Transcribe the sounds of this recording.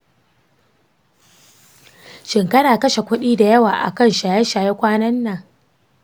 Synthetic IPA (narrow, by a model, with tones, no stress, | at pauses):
ʃɪ˨ŋkɐ˦ɽaː˨kɐ˦ʃe˨kʷʊ˦ɗiː˦da˨jɐ˦waː˨ʔa̰˨kɐ˦nʃaː˨jɛ˦ʃaː˨je˦kʷaː˦nɐ˦nːa˨